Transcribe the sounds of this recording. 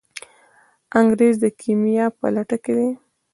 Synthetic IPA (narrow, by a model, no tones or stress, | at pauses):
aŋɡɾezd̪əkʰimijɑpə̰laʈaked̪e